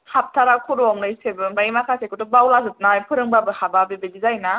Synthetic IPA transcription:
hap̚tʰaɾakʰuɾɔɔŋnɯjsebɯbaimakʰasekɯtɯbawlazɯt̚najpʰɯɾɯŋbabɯhababebeɡizajna

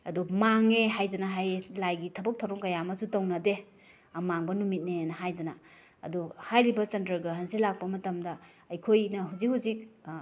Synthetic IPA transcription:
ɐdumaŋeɦajdɐnɐɦajlajɡitʰɐbɐk̚tʰɐwɾɔmkɐjamɐsutɐwnɐde | ɐmaŋbɐnumit̚nenɐɦajdɐnɐ̰ː | duhajɾibɐsentɐɾɡɐɦansilak̚pɐmɐtɐmdɐ | ɐjkʰojnɐɦuzik̚huzik̚

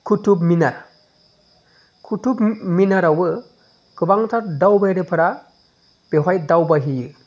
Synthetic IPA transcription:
kʰutubminaɾ | kʰutubminaɾawɯ | kɯbaŋt̪ʰaɾdawbajɾepʰɯɾa | b̥eɦɔjdawbaɦijɯ

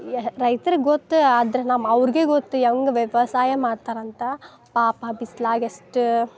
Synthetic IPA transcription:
ɾɐɪt̪ɐɾɡot̪ːɨɐd̪ɐɾɐnaːmɐɐʋɐɾɡeːɡot̪ːɯɛʋɐŋɡɐʋɛʋɐsaːjɐmaːɽt̪aːɾɐnt̪a | paːpabislaːɡɐsʈ

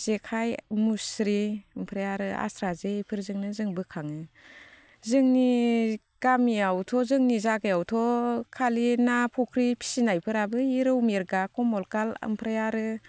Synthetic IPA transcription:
z̥ekʰajmusɾiɯmpʰɾajaɾɯa̰stʰɾazepʰɯɾzɯŋnɯzɯŋbɯkʰaŋɯ | zɯŋni | ɡ̥amiawtʰɔzɯŋnizaɡɯjawtʰɔkʰalinapʰɔkʰɾipʰi̥sinajpʰɯɾabɯiɾɯwmiɾɡakɔmɔlkalɯ̰mpʰɾajaɾɯ

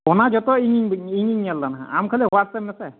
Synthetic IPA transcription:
ɔnad͡ʒɔt̪ɔiŋiŋbŋiŋiŋalːanaɦã̰amkʰaliɦɔwasɛmɛsɛ

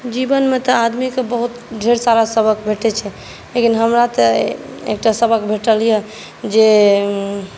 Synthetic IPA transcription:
d͡ʒibənmet̪ɔad̪mikebəɦut̪ɖʱeɾsaɾasəbʱəkbʱeʈɛt͡ʃʰɛ | lekinɦəmɾat̪əḛk̚ʈasəbʱəkbʱeʈəlijɛ | d͡ʒe

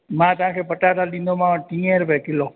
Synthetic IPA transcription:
mãt̪ãkʰepəʈat̪aɗinomãʈĩeɾpɛkilo

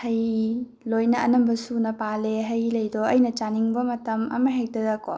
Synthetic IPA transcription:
hɐj | lojnɐːnɐmbɐsunɐpaleɦɐjlɐjdɔɐjnɐt͡ʃaniŋbɐmɐtɐmɐ̰mɐɦek̚dɐdɐkɔ

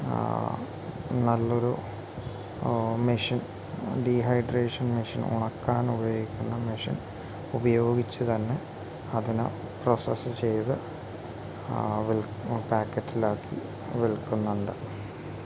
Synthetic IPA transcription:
nɐlːo̞ɾu | miʂin | ɖiːɦɐjɖreːʂɐnmiʂinṵɳɐkːaːnubɐjoːɡikʲːunːɐmiʂḭn | ubɐjo̞ːɡit͡ɕːɨt̪ɐnːe̞ | ɐðinɨ̰ | prosɐsɨt͡ɕe̞jt̪ɨ | ʋiɭ | paːkːɐtːilaːkʰːḭ | ʋiɭkːunːuɳɖɨ̰

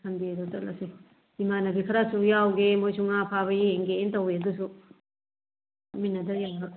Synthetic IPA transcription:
kʰɐndiadutɐlʔɐ̰si | imanɐbikʰɐɾasujawɡemojsuŋapʰaβɐeeŋɡeːntɐweɐdusu | ɐminɐdɐja

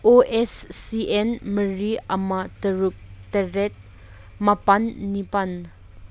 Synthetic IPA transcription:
ʔoʔɛsːiʔɛnməriʔɐmat̪əɾuk̚t̪ərɛt̪̚ | mɐpɐnːipɐn

